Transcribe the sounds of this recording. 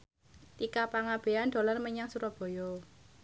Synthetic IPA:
t̪ikapaŋab̥e̤and̪̥o̤larməɲaŋsuɾɔb̥ɔ̤jɔ

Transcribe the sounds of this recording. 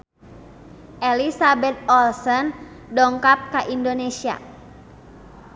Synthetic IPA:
ʔɛlisabɛt̪̚ɔlsɔn | dɔŋkap̚kaʔindonesia̰

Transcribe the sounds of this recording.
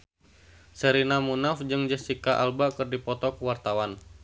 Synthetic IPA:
səɾinamunafd͡ʒɨŋd͡ʒəsikaʔa̰lbakɨrdipɔt̪ɔkəwart̪awan

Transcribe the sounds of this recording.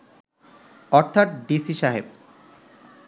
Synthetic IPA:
ɔɾt̪ʰat̪̚ɖisiʃaɦeb

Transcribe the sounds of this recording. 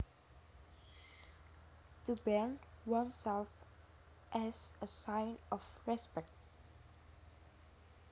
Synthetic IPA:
təbɛɹnwʌ̃nsɛlf | ʔɛzəsãɪ̃nɔfɹɛspɛk̚t̚

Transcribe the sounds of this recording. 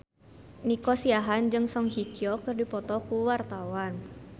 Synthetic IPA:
nikɔsiaɦand͡ʒɨŋsɔŋɦikiɔkɨrdipɔt̪ɔkuwart̪awan

